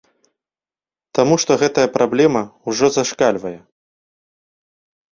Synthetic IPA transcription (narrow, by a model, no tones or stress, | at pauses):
t̪amuʂt̪ɔɣɛt̪ɐjɐpɾablʲɛmɐwʐɔzaʂkalʲvɐjɛ